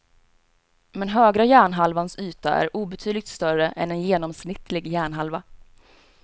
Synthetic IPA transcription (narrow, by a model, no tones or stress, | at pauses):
mɛnɦøːɡɾajæːɳɦalvansyːt̪aʔæ̰ɾuːbɛt̪ʰyːd̪lɪɡ̚t̪st̪œɾəʔɛ̰nɛnjeːnɔmsnɪt̪ːlɪɡjæːɳɦalva